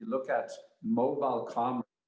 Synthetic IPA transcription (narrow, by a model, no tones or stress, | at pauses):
ɨlʊkɨtmoʊbaɪlˠkʰɑm